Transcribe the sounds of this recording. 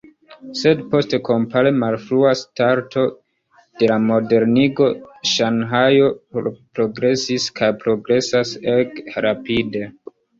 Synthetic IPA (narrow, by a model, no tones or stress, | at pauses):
se̞dpo̞ste̞ko̞mpale̞malfɾuastaɾtʰo̞ | d̥e̞lamo̞de̞ɾniɡo̞ʃanɦajo̞pɾo̞ɡɾe̞siskajpɾo̞ɡɾe̞sasekɾapide̞